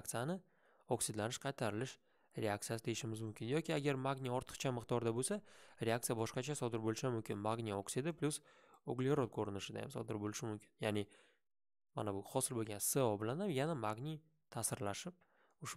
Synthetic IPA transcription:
k̚t̪sɨjanɪ | oksɪd̪lanɪʃqʰɑjt̪ʰaɾɪlɪʃ | ɾe̞ak̚t̪sɨjasɪd̪ejɪʃɪmɪzmʊmkʲʰɪnjɒkʲʰiaɡʲaɾmaɡnʲiɒɾt̪ʰɨ̥qt͡ʃʰamɨqd̪ɒɾd̪abolsaɾeakt̪sɨjabɒʃqɑt͡ʃʰasɒd̪ɪɾbolɪʃamʊmkʲʰɪnmaɡnʲioksid̪ɪpʰlʊs | oɡlʲeɾot̪̚kʰoɾɪnɪʃɪd̪a̰a̰msɒ̰d̪ɪɾbolɪʃɪmʊmkʲɪnjanɪ | ma̰nabʊχɒsɪlbolˠɡʲanseɒbɪlanamjanamaɡnʲi | t̪ʰasɪɾlaʃɪp̚ | ʊʃ

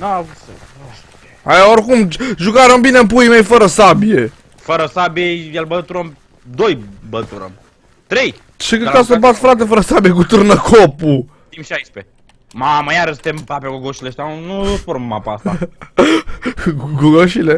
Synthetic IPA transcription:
noavs | oʃt̪e | ajaorkumʒukaɾombinempuimejfəɾəsabije̞ | fəɾəsabijejelbət̪uɾəm | d̪ojbət̪uɾə̰m | t̪ɾej | t͡ʃikəkasəbat̪fɾat̪efəɾəsabijekut̪ɨrnəkʰopu | t̪imʃajspe | maməjaɾəʃt̪empapʲjaɡoɡoʃileəʃt̪ʲanuospoɾmːapaast̪a | ɡoɡoʃile

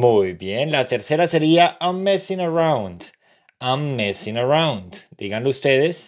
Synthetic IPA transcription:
mujbjenlat̪eɾseɾaseɾiaʔamːesĩnaɹawnd̪ | amːesĩnaɹawnd̪d̪iɣanleust̪eðes

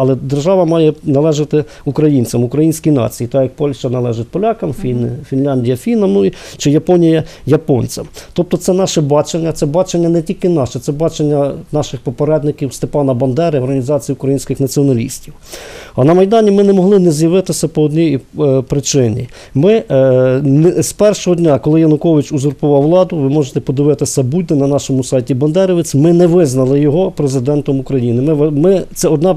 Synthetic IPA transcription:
ɐlˠɛd̪erʒɑʋɐmɑjɛnɐlˠɛʒɪt̪ɪ | ukɾɐjinʲt͡sʲɐmʊkɾɐjinʲsʲkijnɑ̰t͡sʲijit̪ɑjɐk̚pɔlʲʃt͡ʃɐnɐlˠɛʒɪt̚ʲpɔlʲɑkɐmfʲinfʲinlʲɑnʲdʲijɐfʲinɐmnʊi | t͡ʃɪjɐpɔnʲijɐjɐpɔnʲt͡sʲɐmt̪ɔp̚t̪ɔt̪sɛnɑʃɛbɑt͡ʃenʲːɐt̪sɛbɑt͡ʃenʲːɐnɛtʲilʲkɪnɑʃɛt̪sɛbɑt͡ʃenʲːɐnɑʃɪxpɔpeɾɛd̪nɪkʲiwst̪epɑnɐbɐnd̪ɛɾɪɔrɦɐnʲizɑt͡sʲijiʊkɾɐjinʲsʲkɪxnɐt͡sʲiɔnɐlʲḭsʲtʲiw | ɐnɐmɐjd̪ɑnʲimɪnɛmɔɦlˠɪnɛzʲjɐʋɪt̪ɪsʲɐpɔːd̪ʲnʲijpɾɪt͡ʃɪnʲḭ | mɪ | nspɛrʃɔɦɔdʲnʲakɔlˠɪjɐnʊkɔʋɪt͡ʃuzʊrpʊʋɑwːlˠɑd̪ʊʋɪmɔʒet̪ɛpɔd̪ɪʋɪt̪ɪsʲɐbud̪ɛnɐnɑʃɔmʊsɑjtʲibɐnd̪ɛɾɪʋɪt͡sʲmɪnɛʋɪznɐlˠɪjɔɦɔpɾezɪd̪ɛnt̪ɔmukɾɐjinɪmɪmɪt̪sɛɔd̪nɑ

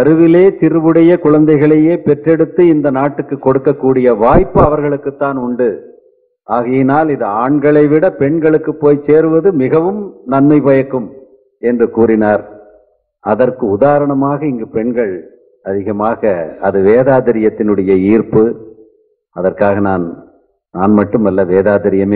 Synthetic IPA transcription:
ɐɾɯʋɪleːt̪ɪɾɯʋɯɽɐjɐkʊɻɐnd̪ɐɪɣɐɭɐjeːpɛʈrɛɽɯt̪ːɯɪnd̪ɐnaːʈːɯkːɯkːɔɽɯkːɐkːuːɽɪjɐʋaːjpːɯɐʋɐɾɣɐɭɯkːɯt̪ːaːnʊɳɖɯ | aːɣɐjɐnaːlɪðɐaːɳɡɐɭɐɪʋɪɽɐpɛɳɡɐɭɯkːɯpːoːjseːɾɯʋɐðɯmɪɣɐʋɯmnɐnmɐɪbɐjɐkːɯm | ɛndrɯkuːɾɪnaːɾ | ʔɐðɐrkɯʊðaːɾɐɳɐmaːɣɐɪŋɡɯpɛɳɡɐɭ | ɐðɪɣɐmaːɣɐɐðɯʋeːðaːðɪɾɪjɐt̪ːɪnɯɽɐjɐiːrpɯ | ɐðɐrkaːɣɐnaːn | naːnmɐʈːɯmɐlːɐʋeːðaːðɪɾɪjɐmeː

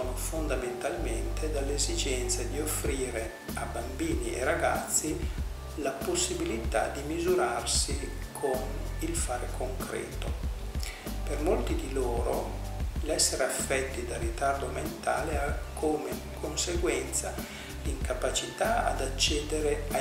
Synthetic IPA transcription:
onofond̪ament̪almḛnt̪ʰed̪alːezid͡ʒɛnt̪sad̪iofːɾiːɾe | abːambiːniḛraɡat̪sːi | laposːibilit̪a̰d̪imizuɾarsi | kʰonilfaːɾekʰoŋkɾɛ̰ːt̪o | permolt̪id̪iloːɾo̰ | lɛsːeɾeafːɛt̪ːid̪arit̪ard̪oment̪a̰ːleakʰːoːme | kʰonseɡwɛnt̪sa | liŋkapat͡ʃit̪aa̰d̪at͡ʃːɛːd̪eɾea

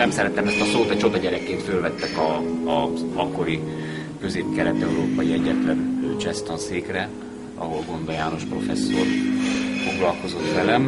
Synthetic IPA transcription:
ɛmsɛɾɛt̪ɛmɛst̪ɒsoːt̪ɒt͡ʃo̞d̪ɒɟɛɾɛkːeːnt̪følvɛt̪ːɛkɒ | ɒkːo̞ɾi | kø̞zeːp̚kɛlɛt̪ɛuɾoːpɒjiɛɟːɛt̪lɛnød͡ʒɛst̪onseːkrɛ | ɒ̰ɦo̞lɡo̞nd̪ɒjaːno̞ʃpro̞fɛsːo̰rfo̞ɡlɒlko̞zo̞t̪ʋɛlɛm

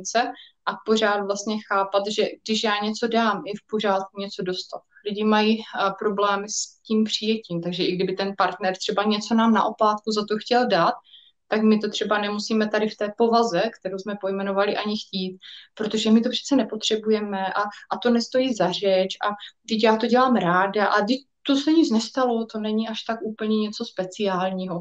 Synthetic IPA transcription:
t͡sɛʔapo̞raːt̪vlast̪ɲɛxaːpat̪ʒɛɡ̚dɪʃjaːɲɛt͡so̞daːmɪfpo̞r̝aːt̪̚kuɲɛt͡so̞do̞st̪at̪lɪɟɪmajipɾo̞blɛːmɪsciːmpr̝̥ɪjɛciːmt̪aɡʒɛʔɪɡdɪbɪt̪ɛnpaɾt̪nɛɾt̪r̝̥ɛbaɲɛt͡so̞naːmna̰ʔo̞plaːt̪̚kuzat̪o̞xcɛldat̪ː | akmɪt̪o̞t̪r̝̥ɛbanɛmusiːmɛt̪adɪft̪ɛːpo̞vazɛkt̪ɛɾowzmɛpo̞jmɛno̞valɪʔaɲɪxciːt̪̚pɾot̪o̞ʒɛmɪt̪o̞pr̥ɛ̥tt͡sɛnɛpot̪r̝̥ɛbujɛmɛʔaʔat̪o̞nɛst̪o̞jiːzar̝ɛt͡ʃʔadɪcjaːt̪o̞ɟɛlaːmɾaːdaʔadɪc̚t̪osɛɲɪt͡snɛst̪alo̞t̪o̞nɛɲɪʔaʃt̪akuːpl̩ɲɛɲɛt͡so̞spɛt͡sɪaːlɲiːɦo̞

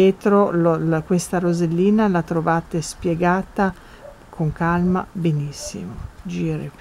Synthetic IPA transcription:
eːt̪ɾololkwest̪aɾozelːiːnalat̪ɾovaːt̪espjeɡaːt̪a | kʰoŋkalma̰benisːḭmod͡ʒiːɾḛ

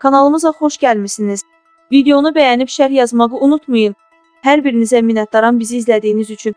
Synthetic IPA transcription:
kʰɑnɑlˠɯmɯzɑχo̞ʃɟælmisiniz̥ | vid̪ejo̞nubæjænipʃæɾjɑzmɑʁɯunut̪ʰmujɯn | hæɾbiɾinizæminɑt̪̚d̪ɑɾɑnbiziːzlæd̪ijnizyt͡ʃʰyn

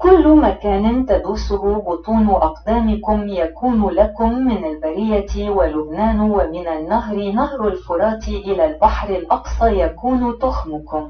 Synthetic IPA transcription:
kʊlːmakaːnɪnt̪ad̪uːsʊhʊbʊt̪ˤuːnʊʔɑqd̪aːmɪkʊmjakuːnlakʊmːɪnalbaɾɪjawalʊbnaːnwamɪnanːaɦɾɪnahɾʊlfʊɾˤɑːt̪ɪʔɪlalbaħɾɪlʔɑqsˤɑjakuːnt̪ʊxmʊkʊm

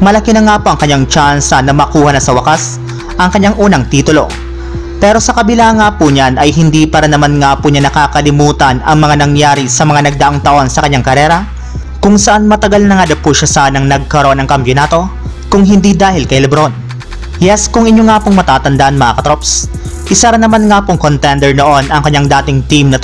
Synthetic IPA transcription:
mɐlɐkinɐŋaːpoʔɐŋkɐɲːaŋt͡ʃansɐnɐmɐkuːhɐnɐsɐwɐkas | ʔɐŋkɐɲːaŋʔuːnɐŋt̪iːt̪ʊlo̞̰ | pɛɾo̞sɐkɐbɪlaŋaːpuɲanɐjɦɪnd̪ipɐɾɐnɐmanŋaːpʊɲanɐkaːkɐlɪmuːt̪ɐnɐ̰ŋmɐŋanɐŋjaːɾisɐmɐŋanɐɡ̚d̪ɐʔoŋt̪ɐʔo̞nsɐkɐɲːaŋkɐɾɛːɾɐ | kʊŋsɐʔanmɐt̪ɐɡalnɐŋad̪ɐpuʃasanɐŋnɐɡ̚kɐɾoʔonɐŋkɐmpjonaːt̪o̞ | kʊŋɦɪnd̪id̪aːhɪlkɐjlɐbɾon | jɛskʊŋʔɪɲjoŋaːpʊŋmɐt̪aːt̪ɐnd̪aʔɐnmɐʔa̰ːkɐt̪ɾops | ʔɪsɐɾɐnɐmanŋaːpʊŋkont̪ɛnd̪ɛɹnoʔo̞nɐŋkɐɲːaŋd̪aːt̪ɪŋt̪imnɐt̪

